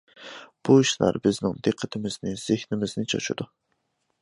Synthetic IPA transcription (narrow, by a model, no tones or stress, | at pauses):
b̥uiʃlæ̰ɾbɪznɪŋd̪eqʰːət̪ʰɪmɪznɪz̥ehnɪmɪznɪt͡ʃʰɑ̰t͡ʃʰṵd̪u